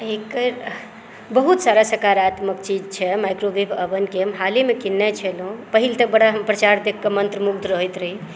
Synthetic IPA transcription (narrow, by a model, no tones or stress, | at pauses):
ekəɾ | bəɦut̪saɾasəkaɾat̪məkt͡ʃid͡ʒt͡ʃʰɛmajkɾobibʰəbənkeɦəmɦalimekinːɛt͡ʃʰɛlɦũpəɦilt̪ək̚bəɽaɦəmpɾət͡ʃaɾd̪ekʰːemənt̪ɾəmuɡ̚d̪ʱɾəɦət̪ɾəɦi